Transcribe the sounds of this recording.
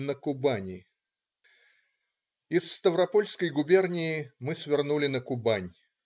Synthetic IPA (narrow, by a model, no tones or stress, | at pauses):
nəkʊbanʲɪ | ɪsːt̪əvɾɐpo̞lʲskəjɡʊbʲe̞rnʲɪjɪmɨsvʲɪrnulʲɪnəkʊbanʲ